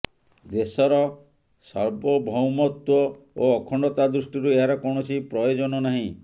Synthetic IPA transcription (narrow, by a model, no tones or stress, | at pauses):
d̪esɔɾɔ | sɔɭbɔbʱɔwmɔt̪wɔ | oːkʰɔɳɖɔt̪ad̪ɾusʈiɾueɦaɾɔkɔɳ̃ɔt͡ʃʰipɾɔjod͡ʒɔnɔnaɦĩ